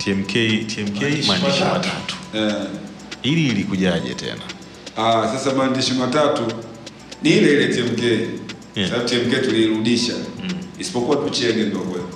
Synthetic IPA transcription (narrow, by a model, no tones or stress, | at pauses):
tiɛm̩kɛitʰiɛm̩kɛmandiʃmatatu̥ɛ | ililikuʄaʄɛ̰tɛ̰na | asasamandiʃimatatu | nilɛilɛtiɛm̩kɛi | aabitiɛm̩kɛtuliɾuɗiʃaisi̥pɔkuwatut͡ʃɛɡɛndɔkwɛ